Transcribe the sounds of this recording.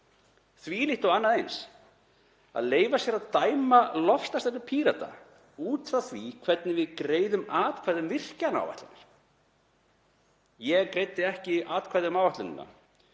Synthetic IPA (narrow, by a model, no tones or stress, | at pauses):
θvilɪht̪awanːaðejns | a̰ðleːjvasjɛɾaðt̪aːjmalɔfst̪ast̪ɛnʏɾpʰiːɾat̪a̰ | uːt̪faθvikʰvɛt̪̚nɪvɪðkɾeːjðʏmaːt̪kʰvaːðʏmvɪr̥cana̰wva̰ht̪lanːaɾ̥ | jɛɣkɾejt̪ːɪɛhcɪaːt̪kʰvajðʏmaːwvaht̪lʏnɪ̰nːa̰